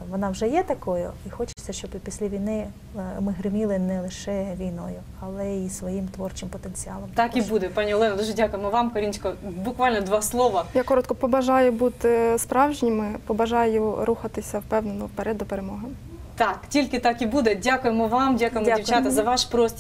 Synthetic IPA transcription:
ʋɔnɑwʒɛjɛt̪ɐkɔjʊixɔt͡ʃɪ̥t͡sʲːɐʃt͡ʃɔbpʲisʲlʲiʋʲijnɪ | mɪɦɾɪmʲilˠɪnɛlˠɪʃɛʋʲijnɔ̰jʊ | ɐlˠɛisʋɔjimt̪ʋɔrt͡ʃɪmpɔt̪enʲt͡sʲiɑlˠɔmt̪ɑkibud̪ɛpɑnʲiɔlˠɛnɐd̪uʒɛdʲakʊjɪmɔʋɑmkɐɾint͡ʃkɔbʊkʋɑlʲnɔd̪ʋɑslˠɔʋɐjakɔɾɔt̪kɔpɔbɐʒɑjʊbut̪ɪspɾɑwʒnʲɪmɪpɔbɐʒɑjʊɾʔuxɐt̪ɪsʲɐwpɛwnnɔpɛɾɛd̪ɔpeɾemɔɦɐm | t̪ɑktʲilʲkɪt̪ɑkibud̪ɛdʲakʊjɪmɔʋɑmdʲakʊjɪmiwt͡ʃat̪ɐzɐʋɑʃpɾɔsʲtʲ

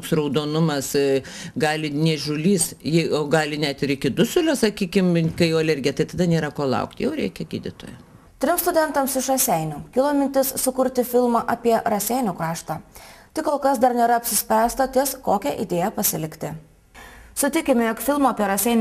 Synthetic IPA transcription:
oksɾɔʊd̪oːnʊmɐs | ɡɑːlʲɪnʲɛʒʲʊlʲiːsjɪoːɡɑːlʲɪnʲæt̪ɪɾɪkʲɪd̪ʊsʲʊlʲʊsɐkʲiːkʲɪmkɐɪjɛʊɐlʲɛɾʲɡʲɪjɛt̪ɐɪt̪ɐd̪ɐnʲeːɾɐkoːlˠɐ̰ʊkt̪ʲjɛʊɾʲɛ̰ɪkʲɛɡʲiːd̪ʲɪt̪o̰ːjɛ | t̪ʲɾʲɪmst̪ʊd̪ʲɛnt̪ɐmsɪʃɾɐsʲɛɪnʲuːkʲɪlˠoːmʲɪnʲt̪ʲɪssʊkʊɾʲt̪ʲɪfʲɪlˠmɑʔɐːpʲiɛɾɐsʲɛɪnʲuːkɾɑːʃt̪ɑːt̪ʲɪkoːlˠkɐsd̪ɐɾnʲeːɾɐɐpʲsʲɪsʲpʲɾʲæːst̪ɐt̪ʲɪskoːkʲɛʔḭd̪ʲeːjɛpɐsʲɪlʲɪkʲt̪ʲɪ | sʊt̪ʲɪkʲɪmʲɛjoːkfʲɪlˠmoːɐpʲiɛɾɐsʲɛɪnʲ

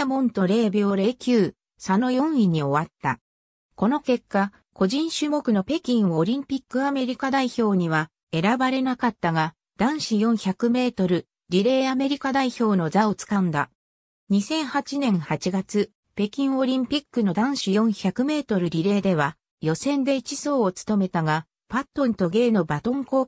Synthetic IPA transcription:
mõ̞nt̪o̞ɾe̞ːbʲjoɾe̞ːkʲɨː | sano̞jõ̞ɰ̃iɲ̟io̞βat̪ːa̰ | ko̞no̞ke̞kːa | ko̞ʑĩɰ̃ɕɨmo̞kɯ̟no̞pe̞kʲĩɰ̃o̞ɾʲĩmpʲikːɯame̞ɾʲikad̪aiço̞ːɲ̟iβ̞a | e̞ɾabaɾe̞nakat̪ːaɡa | d̪̥ãɰ̃ɕijõ̞ɰ̃çakɯ̟me̞ːt̪o̞ɾɯ̟ | ɾʲiɾe̞ːame̞ɾʲikad̪aiço̞ːno̞zao̞t͡sɨ̥kãnd̪a̰ | ɲ̟isẽ̞ɰ̃hat͡ɕinẽ̞ɰ̃hat͡ɕiɡat͡sɨ | pe̞kʲĩɰ̃o̞ɾʲĩmpʲikːɯ̟no̞d̪ãɰ̃ɕijõ̞ɰ̃çakɯ̟me̞ːt̪o̞ɾɯ̟ɾʲiɾe̞ːd̪e̞β̞a | jo̞sẽ̞nd̪e̞it͡ɕiso̞ːt͡sɨ̥t̪o̞me̞t̪aɡa | pat̪ːo̞nt̪o̞ɡe̞ːno̞bat̪õ̞ŋko̞ː

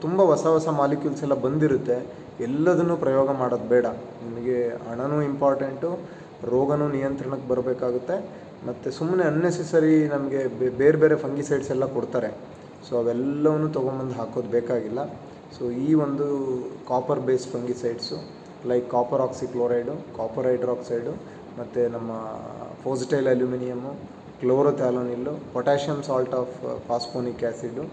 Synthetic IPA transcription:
t̪umbɐʋɐsɐʋɐsɐmaːlikjulsɛlːɐbɐnd̪iɾut̪ːe̞ | ɛlːɐd̪ɐnːuːpɾɐjoːɡɐmaːɽoːd̪̚bɛːɽɐ | nimɐɡe̞ɐɳɐnuːimpaːɾʈeɳʈu | ɾoːɡɐnuːnijɐnt̪ɾɐɳɐkːebɐɾbeːkaːɡut̪ːe̞ | mɐt̪ːesumːneɐnːesesɐɾinɐmɐɡe̞beːɾbeːɾe̞pʰɐŋɡisɐjɖsɛlːɐkɔɽt̪aːɾe̞ | soːɐʋɛlːɐʋɐnːuːt̪ɔɡombɐnd̪ɦaːkoːd̪beːkaːɡilːɐ | soːiːʋond̪ukaːpɐɾbeːspʰɐŋɡisɐjɖsu | lɐjkːaːpɐɾaːksikloːɾɐjɖukaːpɐɾɐjɖɐɾaːksɐjɖu | mɐt̪ːenɐmːɐpʰoːsʈɐjlɐljuminijɐmːu | kloːɾot̪aːloːnilːupɔʈaːʂɐmsaːlʈaːfpʰaːspoːnikaːsiɖu

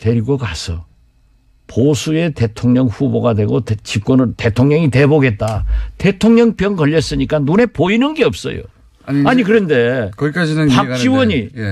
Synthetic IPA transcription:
twe̞ɾiɡʌkasʰʌ | posʰue̞te̞tʰoŋɲʌŋɸuboɡadwe̞ɡott͡ɕik͈wʌnɯnte̞tʰoŋɲʌŋiteboɡe̞t̚t͈ate̞tʰoŋɲʌŋpjʌnkʌʎːʌs͈ɯɲik͈anune̞poinɯnɡe̞ʌp̚s͈ʌ̰jo̰ | aɲikɯɾʌnde̞kʌk͈ad͡ʑinɯakɕ͈iwʌɲi

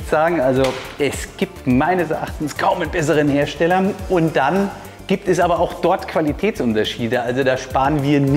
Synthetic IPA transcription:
z̥aːɡŋ̩ʔalzoɛsɡ̥iːp̚tmaɪnəsɛɐʔa̰χtn̩skʰaʊmənbɛs̬əʁ̞ənɦeːɐʃtɛlɐʔʊntd̥an | ɡ̥iːp̚tɛsʔaːbɐaʊxd̥ɔɐtkʰv̥alitʰɛːt͡sʔʊntɐʃiːdəʔalzodaːʃpaːʁənviːɐn

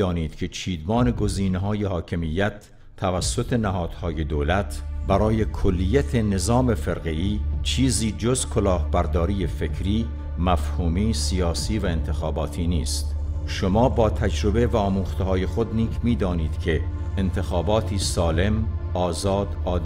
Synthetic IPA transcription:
ɒːniːd̪̥cʰe̞t͡ʃʰiːd̪mɒːne̞ɡo̞ziːneɦɒːje̞hɒːkʰe̞mijːæt̪ʰː | ævæsːot̪ʰe̞næhɒːd̪̥hɒːje̞d̪oːlæt̪ʰbæɾɒːje̞kʰolːijæt̪ʰene̞zɒːme̞feɾɣeiːt͡ʃʰiːziːd͡ʒozkʰolɒːhbæɾd̪ɒːɾiːjefe̞kʰɾiː | mæfhuːmiːsijɒːsiːvæe̞nt̪ʰe̞xɒːbɒːt̪ʰiːniːst̪ | ʃomɒːbɒːt̪ʰæd͡ʒɾo̞be̞væɒːmuːxt̪eɦɒːje̞xod̪niːkʰmiːd̪ɒːniːd̪̥kʰe̞ː | nt̪ʰe̞xɒːbɒːt̪ʰiːsɒːle̞mɒːzɒːd̪ɒːd̪

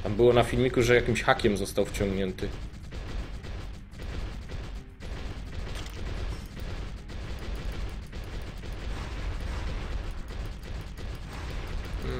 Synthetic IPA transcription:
t̪ambɘwɔnafʲilmʲikuʐɛjakʲimɕxakʲɛmzɔst̪awft͡ɕɔŋɡɲɛnt̪ɘ

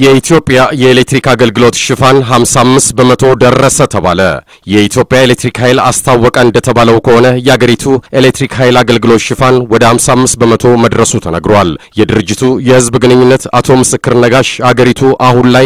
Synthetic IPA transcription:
jɛit̪ʰjo̞pʼjajɛelek̚t̪ɾikaɡəlɡɨlo̞t̪ʃɪfanɦamsamːɨst̪̚bəmət̪ʰo̞d̪ərːəsət̪ʰəβa̰lə̰ | jɛit̪ʰjo̞pʼjaelek̚t̪ɾikhajla̰st̪ʰawːɔkʼəɨnd̪ət̪ʰəβaləwkʰəho̞nəjɛhaɡəɾit̪ʰuʔelek̚t̪ɾikɦajlaɡəlɡɨlo̞t̪ʃɪfanwɔd̪əhamsamːɨst̪̚bəmət̪ʰo̞məd̪ɾəsut̪ʰənəɡɾowaljɛd̪ɨɾɨd͡ʒːɪt̪ʰujɛhɨzbɡɨnɨɲːunːət̪at̪ʰo̞mɨsɨkːɨɾnəɡaʃhaɡəɾit̪ʰuʔahunlaj

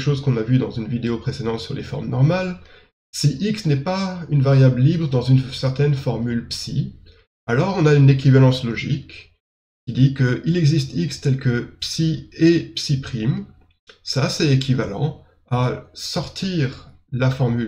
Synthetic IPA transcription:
ʃozkɔ̃navyd̪ɑ̃zynvid̪eopχesed̪ɑ̃t̪syʁlʔḛfɔ̰ʁmnɔʁmal | siʔiksnɛpaynvaʁjabləlibʁəd̪ɑ̃zynsɛʁt̪ɛnfɔʁmylpsi | alɔʁɔ̃naynek̬ivalɑ̃slɔʒḭk | kʲid̪ikəʔilɛɡzist̪ikst̪ɛlkəpsiepsipχim | sasɛek̬ʰʲivalɑ̰̃ | asɔʁt̪ʰiʁ | lafɔʁmyl

